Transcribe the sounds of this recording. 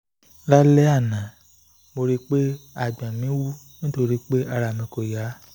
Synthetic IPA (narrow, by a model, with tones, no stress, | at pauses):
la˦lɛ˦a˦˨nã˨ | mo˧ɾi˦k͡pe˦a˦˨ɡ͡bã˨mĩ˨˦wu˦ | nĩ˦to˧ɾi˦k͡pe˦ʔa˧ɾa˧˨mĩ˧ko˨ja˨˦